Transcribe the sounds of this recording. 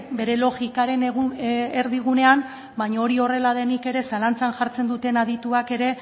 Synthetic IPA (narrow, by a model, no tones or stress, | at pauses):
be̞ɾe̞lo̞ɣikaɾe̞nɣeɾðiɣ̞une̞am | baɲaoɾio̞re̞lað̞e̞nike̞ɾe̞salant͡sanʝaɾt͡se̞nd̪ut̪e̞naðit̪uake̞ɾe̞